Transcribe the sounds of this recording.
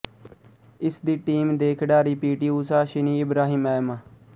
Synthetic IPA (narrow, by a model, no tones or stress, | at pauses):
ɪsd̪iːʈiːmd̪eːkʰɖaːɾiːpiːʈiːuːsaːʃɪniːɪbɾaːɦiːmɛːmaː